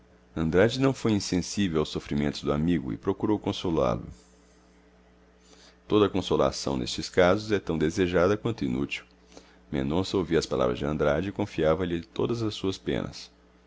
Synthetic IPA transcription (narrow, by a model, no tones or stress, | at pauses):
ɐ̃nd̪ɾad͡ʒɪnɐ̃w̃fojĩsẽsivewawsofɾimẽnt̪ʊzd̪ʊamiɡʊ̰ɪ̰pɾokuɾowkõsola̰lʊ̰ | t̪od̪ɐkõsola̰sɐ̰̃w̃nḛst͡ʃɪskazʊzɛt̪ɐ̃w̃d̪ezeʒad̪ɐkwɐ̃nt̪ʊinṵt͡ʃiw | mḛ̃nd̪õsowviɐspala̰vɾɐzd͡ʒɪɐ̃nd̪ɾad͡ʒɪkõfiavɐʎɪt̪od̪ɐzɐsːuɐspḛ̃nɐ̰s